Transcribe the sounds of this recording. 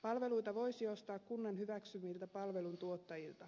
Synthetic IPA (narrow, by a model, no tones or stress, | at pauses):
pɑlʋe̞lujt̪ɑʋo̞jsio̞st̪ɑːkkunːɑnhyʋæksymːilt̪æpɑlʋelunt̪uot̪ːɑjilt̪ɑ